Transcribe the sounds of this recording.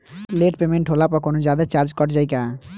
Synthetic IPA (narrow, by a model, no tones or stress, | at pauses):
leʈpemeɳʈɦolapakonod͡ʑad̪at͡ɕaɾd͡ʑkɔʈd͡ʑajka